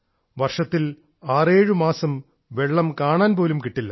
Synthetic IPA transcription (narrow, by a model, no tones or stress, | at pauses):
ʋɐrʂɐt̪ːil | aːreːɻɨmaːsɐm | ʋe̞ɭːɐmkaːɳaːnpo̞ːlumkiʈːilːɐ